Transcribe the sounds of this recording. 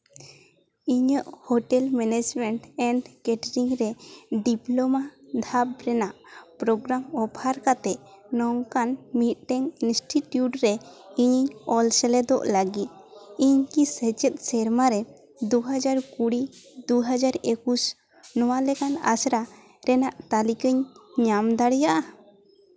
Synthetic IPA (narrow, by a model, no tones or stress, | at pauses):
iɲəʔhɔʈɛlmɛned͡ʒmɛɳʈɛɳɖkɛʈɾiŋɾɛɖiplɔmad̪ʱap̚ɾɛnaʔpɾɔɡɾamɔbʰʱaɾkat̪ɛʔ | nɔŋkanmit̪̚ʈɛŋinsʈiʈjuʈɾɛiɲɲɔlsɛlɛd̪ɔʔlaɡit̪̚iɲkisət͡ʃɛt̪̚sɛɾmaɾɛ | d̪uɦad͡ʒaɾkuɽid̪uɦad͡ʒaɾekus | nɔwalɛkana̰sɾa | ɾɛnaʔt̪alikəɲɲamd̪aɽɛjaʔa